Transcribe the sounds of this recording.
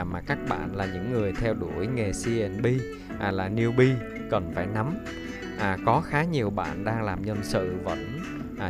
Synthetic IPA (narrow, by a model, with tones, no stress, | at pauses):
maː˨˩kaː˦˥k̚ɓa̰ː˧˨nlaː˨˩ɲɨ̰˧˥ŋːɨ˨˩əjt̪ʰɛ˧wɗu˧˩əjŋe˨˩si˧ʔɛ˧˩nɓi˧˨˩ | laː˨˩ni˧əwɓi˧ | kə˨˩nfaː˧˩jna˨˦m | ʔa˨˩kɔ˨˦xaː˨˦ɲi˨˩əwɓa̰ː˧˨nɗaː˧ŋlaː˨˩mɲə˧nsɨ̰˧˨və̰˧˥nː˨